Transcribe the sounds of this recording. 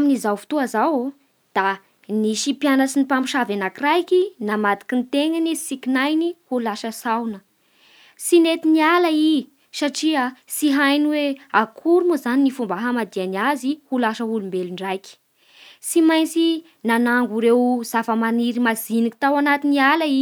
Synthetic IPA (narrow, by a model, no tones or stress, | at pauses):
aminizawfu̥t̪uazaw | d̪̥a | niʃipjanəsinipampi̥ʃavanakirajkinamad̪i̥kint̪eŋanisikinajnihulaʃəsawnə | sinet̪inialai | saʈ͡ʂiəsiɦajnweakʰuɾumuzaninifumbaɦamad̪ianiazihulaʃəulumbeluɳɖ͡ʐajki̥ | simajnt͡si | nanaŋɡuɾewz̥afəmaniɾimaziniki̥t̪awanat̪inialai